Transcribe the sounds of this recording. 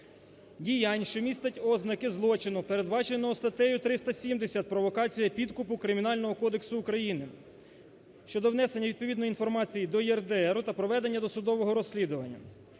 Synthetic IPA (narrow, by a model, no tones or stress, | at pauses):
dʲijɑnʲʃt͡ʃɔmʲist̪ɐtʲɔznɐkɪzlˠɔt͡ʃɪnʊpe̞ɾed̪bɑt͡ʃenʲnɔɔst̪ɐt̪ɛjʊt̪ɾɪst̪ɐsʲimd̪esʲɐt̪̚pɾɔʋɔkɑt͡sʲijɐpʲid̪kʊpʊkɾɪmʲinɑlʲnɔɦɔkɔd̪eksʊːkɾɐjinɪ | ʃt͡ʃɔd̪ɔʋnɛse̞nʲːɐʋʲid̪̚pɔʋʲid̪nɔin̪fɔrmɑt͡sʲijid̪ɔjɛrd̪eɛɾʊt̪ɐpɾɔʋɛd̪e̞nʲːɐd̪ɔsʊd̪ɔʋɔɦɔɾɔsʲlʲid̪ʊʋɐnʲːɐ̰